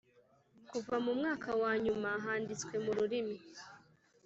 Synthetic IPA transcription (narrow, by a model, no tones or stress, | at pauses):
kuvamumŋaːkawaːɲumaɦaːndit͡skwe̞muɾuɾimi